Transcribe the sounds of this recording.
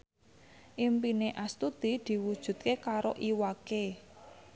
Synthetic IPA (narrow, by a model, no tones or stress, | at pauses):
ʔimpineʔast̪ud̪̥i̤d̪̥i̤wud̥ʒ̥ṳd̪̚kekaɾo̰ʔiwake